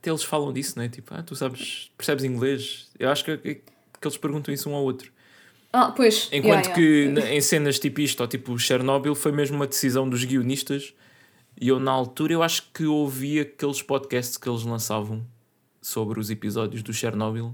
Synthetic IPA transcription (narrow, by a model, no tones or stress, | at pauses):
t̪ɛelˠʃfalˠɐ̃w̃d̪isñɛt̪ipua̰t̪usaβʃpɨɾsɛβzĩŋɡlˠeʃewaʃu̥kkɛ | kelˠʃpɨɾɣũt̪ɐ̃w̃isũɔwot̪ɾu | apojʃẽkwɐ̃nukɨnẽj̃senɐʃt̪ipuiʃt̪ɔt̪ipuʃɛɾnɔβilˠfojmeʒmumɐd̪sizɐ̃w̃d̪uʒɣiuniʃt̪ɐʃ | iewnɐalˠt̪uɾɐewaʃu̥kɨoviɐkelˠʃpɔðkɛst̪ʃkelˠʒlˠɐ̃savɐ̃w̃ | soβɾuzipizɔðjuʒðuʃɛɾnɔβilˠ